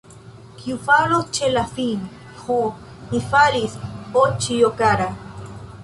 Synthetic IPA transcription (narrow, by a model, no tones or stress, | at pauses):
kjufaɾot͡ʃelafin | xu | nifaɾisot͡ʃijokaɾa